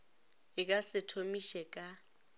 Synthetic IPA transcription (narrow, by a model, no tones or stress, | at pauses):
ɪkʼasɪtʰomiʃɛkʼa